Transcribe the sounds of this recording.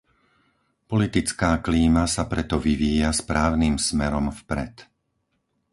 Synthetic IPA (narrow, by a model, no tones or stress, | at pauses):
pɔlit̪it͡skaːkliːmasapɾɛt̪ɔʋiʋiːjaspɾaːʊnimsmɛɾɔmfpɾɛ̰t̪